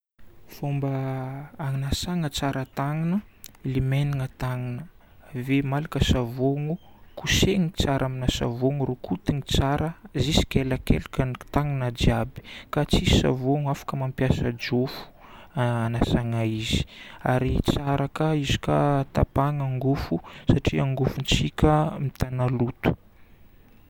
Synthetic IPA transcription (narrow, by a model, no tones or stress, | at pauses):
fombəː | ŋnasaŋət͡saɾət̪aŋinəlimeniŋət̪aŋinə | vemalikəsavoŋu | kuseŋit͡saɾʔaminasa̰voŋuɾokʰut̪iŋit͡saɾəzisi̥keləkḛlkət̪aŋinəd͡ʒiabi̥kat͡sisa̰voŋafḁkəmampjasəd͡ʒofu̥anasaŋaiz̥i̥aɾit͡saɾakəizi̥kat̪apaŋaŋɡufusaʈ͡ʂiaŋɡufunt͡sikʲəmit̪analut̪u̥